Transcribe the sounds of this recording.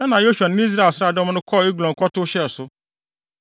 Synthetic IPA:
ɛ˦nã˨jo˦su˨a˨n˦ĩ˦s̬a˦˨sɾa˨dɛ˦m̃˦nʊ̃˦kʰɔ˦˨i˦ɡlɔ̃˨ŋ˨kʰɔ˦tʊ˦ɕɛ˦˨sʊ˦

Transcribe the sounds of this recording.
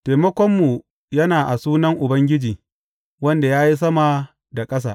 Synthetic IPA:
te˨mɐ˦kʷɔ˦mːu˨ | jɐ˦naː˨ʔa˨suː˦nɐ˦ŋʔʊ˨bɐ˦ŋɡʲɪ˦d͡ʒiː˨ | wɐ˦nda˨jaː˦ji˦s̬ɐ˦ma˨ | da˨kʼɐ˦s̬a̰ː˨

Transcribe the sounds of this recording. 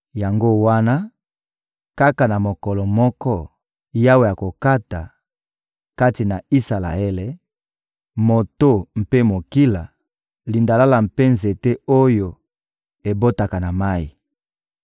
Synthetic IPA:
ja˨ŋɡo˦wa˦na˦ | ka˦ka˨na˨mo˨kɔ˨lɔ˨mɔ˦kɔ˦ | ja˦we˨ja˨ko˨ka˦ta˨ | ka˦ti˨na˨i˦sa˨la̰˨e˦le˨ | mo˨to˦m̩˨pe˦mo˨ki˦la˨ | li˨nda˨la˦la˨m̩˨pe˦nze˨te˦o˦jo˨ | e˨bo˦ta˨ka˨na˨ma˦i˨

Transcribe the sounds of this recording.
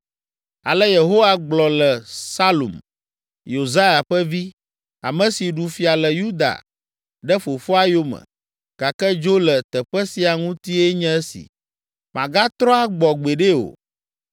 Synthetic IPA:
a̰˨lɛ˦je˨ɦo˦wa˦ɡ͡blɔ˨lɛ˨sa˦lo̰˨m | jo˨za˦ja˨ɸɛ˦vi˦ | a̰˨mə̃˨si˨ɖu˨fi˨a˨lɛ˨ju˦d̪a̰˨ | ɖɛ˦fo˨fo˦a˦jo˦mə̰̃˨ | ɡ̥a˨kɛ˦d͡ʒo˦lɛ˨t̪ɛ˨ɸɛ˦si˦a˨ŋũ˦t̪i˦ɛ˦ɲɛ̃˦ɛ˦sḭ˨ | mã˨ɡa˦t̪ɾɔ̃˦a˨ɡ͡bɔ˨ɡ͡be˨ɖe˦o̰˨

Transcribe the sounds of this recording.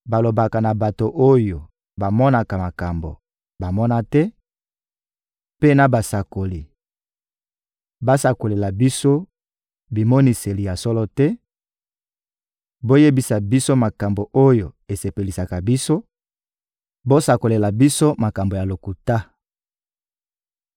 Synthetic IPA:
ba˨lo˨ba˨ka˨na˨ba˨to˨ʔo˦jo˨ | ba˨mɔ˦na˨ka˨ma˨ka˨mbo̰˨ | ba˨mɔ˦na˦tɛ˦ | pe˦na˨ba˨sa˨ko˨li˨ | ba˦sa˨ko˨le˨la˨bi˦so˦ | bi˨mɔ˦ni˨se˨li˨ja˨sɔ˦lɔ˦tɛ˦ | bo˦je˦bi˨sa˨bi˦so˦ma˨ka˨mbo˨ʔo˦jo˨e˨se˨pe˨li˨sa˨ka˨bi˦so˦ | bo˦sa˨ko˨le˨la˨bi˦so˦ma˨ka˨mbo˨ja˨lo˨ku˨ta˦

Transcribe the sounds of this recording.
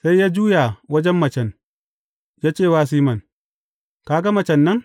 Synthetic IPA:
sa˦jːaː˦d͡ʒuː˦jaː˨wɐ˦d͡ʒɛ˦mːɐ˨t͡ʃɛ˨n | jaː˦t͡ʃeː˦˨waː˦s̬iː˦mɐ˨n | kaː˨ɡa˦mɐ˨t͡ʃɛ˨nːɐ˦ŋ

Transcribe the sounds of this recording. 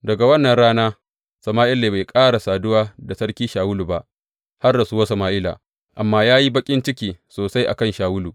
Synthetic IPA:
dɐ˨ɡa˨wɐ˦nːɐ˨nɽaː˦naː˦ | sɐ˨maː˦ʔɪ˦lːeː˨ba˨jkʼaː˦ɽa˨saː˨dʊ˦waː˦da˨sɐ˦ɽkʲiː˦ʃaː˨wʊ˦lu˨ba˦ʔ | ha˦rdɐ˨su˦wo˦sɐ˨maː˦ʔɪ˦la̰ː˨ | ʔa˨mːaː˦jaː˦ji˦bɐ˦kʲʼɪ˦nt͡ʃɪ˦kʲiː˨soː˨sa˦jʔa̰˨kɐ˦nʃaː˨wʊ˦luː˨

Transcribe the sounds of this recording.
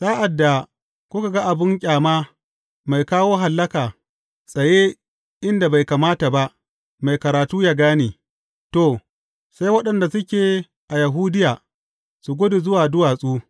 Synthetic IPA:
saː˦ʔa˨dːa˨ | kʷʊ˦ka˨ɡa˦ʔa˨bɪ˦ŋkʲʼaː˨maː˦ | ma˨jkaː˦woː˦ɦa˨lːɐ˦kaː˨ | sʼɐ˨je˦ | ʔɪ˦nda˨ba˨jka˨maː˦ta˨ba˦ʔ | ma˨jkɐ˨ɾaː˨tuː˦jaː˦ɡaː˦neː˨ | to˨ | sa˦jwɐ˦ɗɐ˨nda˨sʊ˦kʲeː˨ | ʔa˨ja˨ɦuː˦dɪ˦jaː˨ | su˨ɡʷo˦de˨zʊ˦waː˨dʊ˦waː˨sʼuː˦

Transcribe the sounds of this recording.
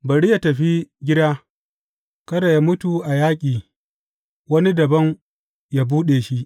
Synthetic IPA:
bɐ˨ɽi˦ja˦tɐ˨ɸi˦ɡʲɪ˦daː˦ | kɐ˦da˨ja˦mʊ˦tu˨ʔa˨jaː˦kʲʼiː˨ | wɐ˦ni˦dɐ˨bɐ˦ŋ | jaː˦buː˦ɗeː˨ʃi˦ʔ

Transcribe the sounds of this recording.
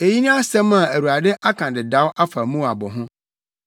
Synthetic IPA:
e˨ji˦nũ˦a˦sɛ̃˦mã˨æ˨wu˨a˨dɪ˦ʔa˦kʰã˨dɪ˨da˨˦wʔa˦fa˨mũ˦a˨bɔ˨ɦʊ̃˦

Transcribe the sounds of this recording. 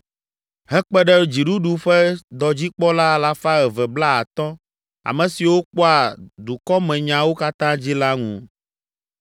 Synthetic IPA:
ɦɛ˦k͡pɛ˦ɖɛ˦d͡ʑi˨ɖu˦ɖu˨ɸɛ˦d̪ɔ˨d͡ʑi˦k͡pɔ˦la˦la˨fa˦ɣɛ˨vɛ˨bla˦a˨t̪ɔ˦ | a̰˨mɛ̃˨si˨wo˦k͡pɔ˦a˨d̪u˨kɔ˦mɛ̃˨ɲã˨wo˦ka˦t̪ã˦d͡ʑi˦la˦ŋṵ̃˨

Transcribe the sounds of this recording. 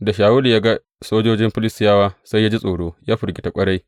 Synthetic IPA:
da˨ʃaː˨wʊ˦li˨jaː˦ɡa˦ | soː˦d͡ʒoː˦d͡ʒɪ˦mɸɪ˦lɪ˦sɪ˨˦jaː˦waː˦sa˦jːaː˦d͡ʒi˦sʼoː˨ɽoː˦jaː˦ɸʊ˨ɾɡʲi˦ta˨kʷʼɐ˦ɽa˦j

